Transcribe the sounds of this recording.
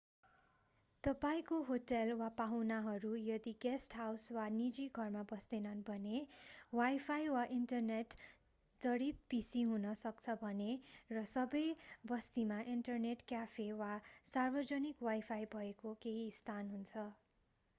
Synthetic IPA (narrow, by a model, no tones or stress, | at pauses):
t̪ʌpaĩkoɦoʈelwapawnaɦʌɾujʌd̪iɡesʈɦawswanid͡ziɡʱʌrmabʌst̪enʌnbʱʌnewajpʰajwaʔiɳʈʌrneʈ | d͡zʌɽit̪̚pisiɦunʌsʌkt͡sʰʌbʱʌnerʌsʌbʌjbʌst̪imaʔiɳʈʌrneʈkjapʰewasarbʌd͡zʌnikwajpʰajbʱʌekokeɦist̪ʰanɦunt͡sʰʌ